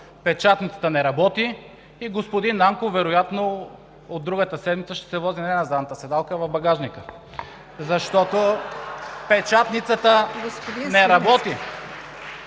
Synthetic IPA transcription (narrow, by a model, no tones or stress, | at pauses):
pɛt͡ʃat̪nit̪sə̥t̪ənɛɾɐbɔt̪iː | ɡospod̪inːaŋkovɛɾojat̪no | od̪ːɾuɡət̪əsɛd̪mit̪səʃt̪ɛ̥sɛvɔzinɐd̪ɛnɐzad̪nɐt̪əsɛd̪alˠkəvɐvbɐɡaʒnikə | zɐʃt̪ɔt̪o | pɛt͡ʃat̪nit̪sət̪ə | nɛɾɐbɔt̪i